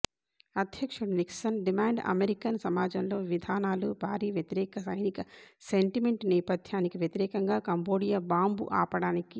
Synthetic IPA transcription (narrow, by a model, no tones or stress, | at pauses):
ɐd̪ʱjɐkʂuɽniksɐnɖimaːɳɖɐ̰meɾikɐnsɐmaːd͡ʒɐnlo̞ːʋid̪ʱaːnaːlubʱaːɾiːʋjɐt̪iɾɛːkɐsɐjnikɐse̞ɳʈimeɳʈnɛːpɐd̪ʱjaːnikiʋjɐt̪iɾɛːkɐŋɡaːkɐmbo̞ːɽijabaːmbṵʔaːpɐɽaːniki